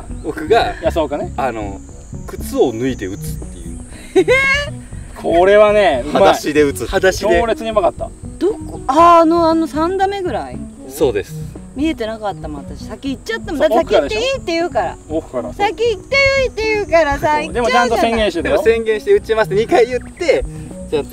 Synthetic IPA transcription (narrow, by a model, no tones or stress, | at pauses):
bo̞kɯ̟ɡajasoːkaneano̞̰ | kɯ̟t͡sɨo̞nɯ̟it̪e̞ɯ̟t͡sɨ̥t̪ːe̞jɯ̟̰n | kʰoɾe̞βaneamaaɕid̪eɯ̟t͡sɨhad̪aɕid̪eɾet͡sɨɲibakat̪ːa̰d̪̥okoano̞anosãnd̪ame̞ɡɯ̟ɾaḭ | so̞ːd̪e̞̰sɨ̥mʲie̞t̪e̞nakat̪ːamo̞at̪aɕi̥sakʲiːt͡ɕːat̪ːamod̪aesakʲiit̪ːe̞jɯ̟ːkaɾa̰okɯ̥kaɾasakʲiit̪ːejɯit̪ːe̞jɯ̟ːkaɾasaid̪e̞mot͡ɕãnt̪osẽŋɡẽɕi̥t̪ed̪emosẽ̞ŋɡẽ̞ɰ̃ɕit̪eɯ̟t͡ɕimasɨ̥t̪eɲ̟ikaijɯ̟t̪ːe̞t͡ɕot̪ː